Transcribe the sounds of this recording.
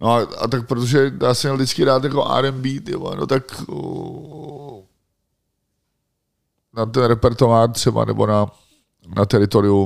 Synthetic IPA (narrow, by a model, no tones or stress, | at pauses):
noaa̰t̪ak̚pɾot̪oʒɛdaːsɛmɲɛldɪt͡skɪɾaːt̪jako̞ʔa̰ːɾɛmbiːt̪ko̰no̰t̪ak | nat̪ɛnɾɛpɛɾt̪ovaːrt̪r̥ɛba̰nɛ̰bo̰na | nat̪ɛɾɪt̪o̞ɾɪu